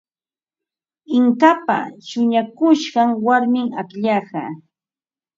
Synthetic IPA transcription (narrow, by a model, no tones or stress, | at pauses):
ɪŋkapa̰ʃʊɲakʊʃɢɑŋwaɾmɪŋakʎɑɢɑ̰